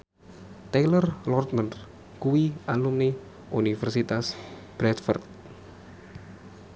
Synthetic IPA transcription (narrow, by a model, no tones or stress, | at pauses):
t̪elərlɔrt̪̚mənd̪ | kuwialumni | ʔunifɛrsit̪asb̥ɾɛt̪fɔ̰rt̪̚